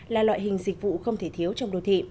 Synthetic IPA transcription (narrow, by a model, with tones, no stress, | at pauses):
laː˨˩lwa̰ː˧˨jɦï˨˩ŋ̟zï˨˩k̟̚vṵ˧˨xə˧wŋ͡mt̪ʰe˧˩t̪ʰi˨˦əwt͡ɕɔ˧wŋ͡mɗo˨˩˦t̪ʰḭ˧˨